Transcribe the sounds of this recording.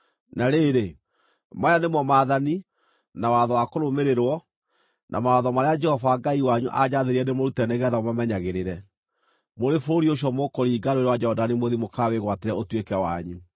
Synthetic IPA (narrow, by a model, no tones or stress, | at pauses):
naɾeɾe | majanemwɔmaːðani | nawaðɔwakoɾomeɾeɾwɔ | nʔa̰maaðɔmaɾead͡ʒɛhɔvaːɡaiwaɲuʔad͡ʑaðeɾiɛnemoɾutɛnɛɣɛaðaomamɛɲaɣeɾeɾɛ | moɾefoɾioɕ̬ɔmokɔɾiːɡaɾoeɾewad͡ʒɛɔdanimoðimokaweɣwateɾɛotwekɛwa̰ɲu